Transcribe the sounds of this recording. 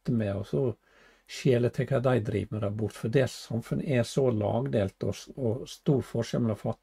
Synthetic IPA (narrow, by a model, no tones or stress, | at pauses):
t̪əmɛɔsɔ | ʃeːlət̪ʰɛkʰɑd̪æɪd̪ɾḭːʋməd̪æbʊɾt̪fɔd̪eːlssɑmfʉnʔəɛsɔlɑ̰ːɡd̪eːlt̪ɔɔst̪uːɾfɔʂɛ̰lmɛlɑfɑt̪ː